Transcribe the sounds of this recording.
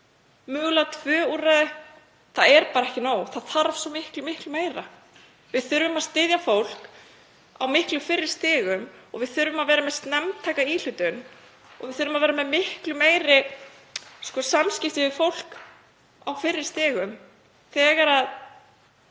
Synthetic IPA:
mʏːɣlat̪ʰvœːuːraðɪ | θaðɛɾpaːɾaɛhcɪnaːwθaðθaɾv̥sɔmɪhklʏmɪhklʏmeːjɾa | vɪðθʏɾvʏmaðst̪ɪðjafowl̥k | a̰wmɪhklʏfɪrːɪɾ̥st̪ɪːɣʏmɔ̰ɣvɪðθʏɾvʏmaðvɛːɾamɛðst̪nɛmt̪ʰajkaiːlʏt̪ʏn | ɔ̰ɣvɪðθʏɾvʏmaðvɛːɾamɛðmɪhklʏmeːjɾɪ | skɔsamscɪft̪ɪɪfowl̥k | a̰wfɪrːɪ̥st̪ɪːɣʏm | θɛːɣaɾað

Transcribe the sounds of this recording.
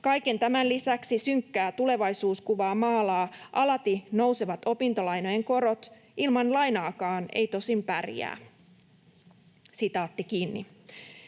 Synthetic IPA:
kɑjke̞nt̪æmænlisæksisyŋkːæːt̪ule̞ʋɑjsuːskuʋɑːmɑːlɑːʔɑlɑt̪ino̞wseʋɑt̪o̞pint̪olɑjno̞jeŋko̞ɾo̞t̪ | ʔilmɑnlɑjnɑːkɑːne̞̰jt̪o̞simpærjæ̰ː | sit̪ɑːt̪ːikiːnːḭ

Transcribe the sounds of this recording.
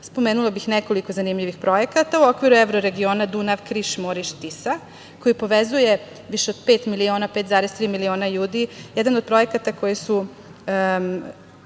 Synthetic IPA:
spo̞meːnulˠabixneko̞liko̞zanimʎiʋixpɾo̞je̞kat̪auo̞kʋiɾueʋɾoɾe̞ɡio̞ːnad̪unaʋkɾiʃmoɾiʃt̪isa | ko̞jipo̞ʋezuje̞ | ʋiʃeo̞d̪̥peːt̪milio̞ːnape̞ːt̪zaːɾest̪ɾiːmilio̞ːnaʎuːd̪ijɛd̪anod̪̚pɾo̞je̞kat̪ako̞jisu

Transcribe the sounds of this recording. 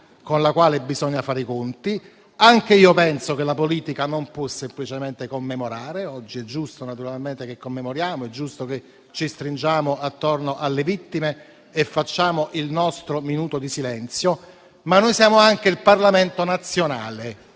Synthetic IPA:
konlakwaːlebizɔɲːafaːɾikont̪i | aŋk̟eiːopɛnsokelapoliːt̪ikanompwɔsemplit͡ʃement̪ekomːemoɾaːɾeɔd͡ʒːiɛd͡ʒːust̪onat̪uɾalment̪ekekːomːemoɾjaːmoɛd͡ʒːust̪oke | t͡ʃːist̪ɾind͡ʒaːmoʔat̪ːornoʔalːevit̪ːimeː | fːat͡ʃːaːmoʔilnɔst̪ɾominuːt̪od̪isilɛnt̪sjo | manːojsjaːmoaŋkeilparlament̪onat̪sːjonaːle

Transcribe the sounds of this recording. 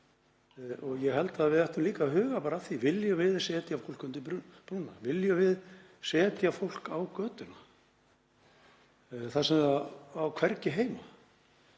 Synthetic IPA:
ɔɣjɛɣɦɛlt̪aðvɪðɛht̪ʏmliːkaɦʏːɣapaːɾaθivɪljʏvɪðsɛːt̪jafowl̥kʏnt̪ɪɾpɾunːavɪljʏvɪð | sɛːt̪jafowl̥kawkœːt̪ʏna | θasɛmaawkʰv̥ɛɾcɪɦeːjma

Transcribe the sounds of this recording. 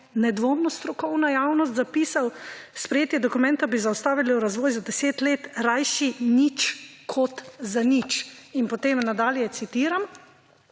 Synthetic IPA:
nɛd̪ʋomnɔst̪ɾɔkɔwnajawnɔst̪zapiːsawspɾɛjeːt̪jɛd̪ɔkumɛ̃nt̪abizawst̪aːʋiliwɾazʋɔːjzad̪ɛseːt̪leːt̪ɾajʃinit͡ʃkʰɔt̪zanit͡ʃinpɔt̪eːmnad̪aːljɛt̪sit̪iːɾam

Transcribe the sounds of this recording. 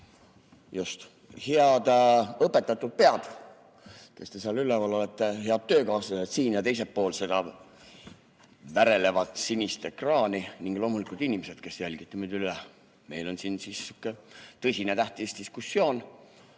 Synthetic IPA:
just̪ | heɑd̪̥ɤpːˑe̞t̪ːˑɑt̪ːˑud̪̥̚pe̞ɑd̪̥ | ke̞st̪e̞seɑlyleɑlo̞let̪ːeɦeɑd̪̥̚t̪ːø̞ːkɑːsɑet̪siːnjɑt̪e̞js̬e̞pːo̞ːlse̞d̪ɑ | væɾe̞le̞vɑt̪sinist̪e̞krɑːniniŋɡ̥lo̞ːmulikˑult̪inʲimese̞d̪̥ke̞sjælʲɡ̥it̪ːˑɑmyd̪yle | me̞jlo̞nsinsisykːˑet̪ɤsʲinet̪æht̪istd̪̥iskusːjo̞ːn

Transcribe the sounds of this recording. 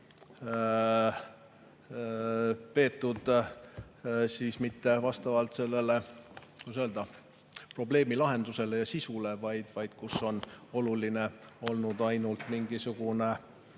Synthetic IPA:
pe̞ːt̪ːˑud̪̥ | siːsmit̪ːe̞vɑst̪ɑvɑlt̪se̞lːe̞le̞kusø̞ld̪̥ɑ | pro̞ble̞ːmilɑɦe̞nd̪̥use̞lejɑsisule̞vɑjd̪̥vɑjd̪̥kusːo̞no̞luline̞o̞lnud̪̥ɑjnult̪ˑmiŋɡisuɡ̥une

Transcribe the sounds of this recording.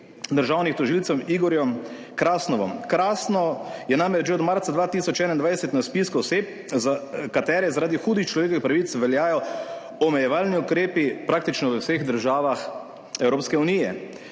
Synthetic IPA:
d̪əɾʒaːwnixt̪ɔʒilt̪sɔmiɡɔɾjɔm | kɾaːsnɔʋɔmkɾaːsnɔjɛnamɾɛd͡ʒʒeɔd̪maɾt̪sad̪ʋaːt̪iːsɔt͡ʃɛːnaind̪ʋajɛsɛt̪naspiskɔɔseːp̚ | zakat̪ɛːɾɛzaɾaːd̪ixuːd̪ixt͡ʃlɔʋeːk̬ɔʋixpɾaʋit̪sʋɛljaːjɔ | ɔmɛjɛʋalniukɾeːpipɾaːk̚t̪it͡ʃnɔʋəwseɣd̪əɾʒaːʋax | ɛwɾoːpskɛunijɛ

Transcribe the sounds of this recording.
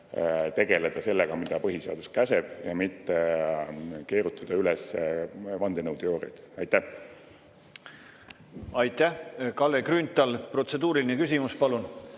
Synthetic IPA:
t̪e̞ɡ̥e̞led̪̥ɑse̞lːeɡ̥ɑmid̪̥ɑpɤɦiseɑ̰d̪uskæseb̥jɑmit̪ːe | ke̞ːɾut̪ːˑɑd̪̥ɑylɛs | vɑnd̪enɤwd̪̥io̞ːɾḭd̪̥ɑjt̪ːæh | ɑjt̪ːˑæhkɑlːekrynt̪ːˑɑlpro̞t̪se̞d̪uːɾilinekysʲimuspɑlun

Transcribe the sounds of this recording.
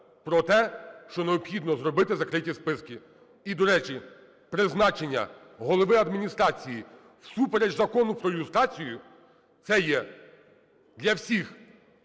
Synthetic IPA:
pɾɔt̪ɛʃt͡ʃɔneɔbxʲid̪nɔzɾɔbɪt̪ɪzɐkɾɪtʲispɪskʲi | id̪ɔɾɛt͡ʃi | pɾɪznɑt͡ʃenʲːɐ̰ | ɦɔlˠɔʋɪɐd̪mʲinʲist̪ɾɑt͡sʲiji | wsupeɾed͡ʒzɐkɔnʊpɾɔlust̪ɾɑt͡sʲijʊ | t̪sɛjɛ | d̪lʲɐwsʲix

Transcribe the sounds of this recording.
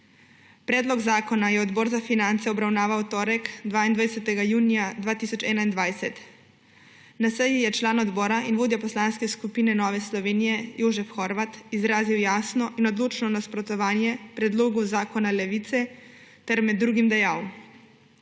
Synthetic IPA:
pɾɛːd̪lɔɡzaːkɔnajɛɔd̪bɔːɾzafinant̪sɛɔbɾawnaːʋawt̪ɔːɾɛkd̪ʋaːind̪ʋajsɛt̪ɛɡajuːnijad̪ʋaːt̪isɔt͡ʃɛːnaind̪ʋajsɛt̪ | nasɛjijɛt͡ʃlaːnɔd̪bɔːɾaʔinʋoːd̪japɔslaːnskɛskupiːnɛnɔːʋɛslɔʋeːnijɛjoːʒɛfxɔɾʋat̪izɾaːziwjaːsnɔʔinɔd̪loːt͡ʃnɔnaspɾɔt̪ɔʋaːnjɛpɾɛd̪loːɡuzaːkɔnalɛʋiːt̪sɛt̪ɛɾmɛd̪ːɾuːɡimd̪ɛjaːw

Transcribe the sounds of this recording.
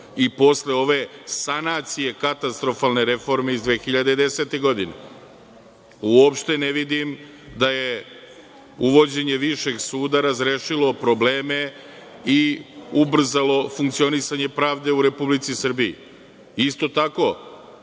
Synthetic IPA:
ipo̞sle̞o̞ʋe̞sanaːt̪sije̞kat̪ast̪ɾo̞falˠne̞ɾe̞fo̞ɾme̞izd̪ʋe̞ːxiʎad̪ed̪e̞se̞t̪e̞ɡo̞d̪inḛ | uopʃt̪e̞neʋid̪im | d̪aje̞ | uʋo̞d͡ʑe̞ɲe̞ʋiʃe̞ɡsuːd̪aɾazɾeːʃilo̞pɾo̞bleːme̞ | iubr̩zalo̞fuŋk̚t̪sio̞nisaɲe̞pɾaːʋd̪e̞uɾe̞publit̪sisr̩biḭ | ist̪o̞t̪ako̞

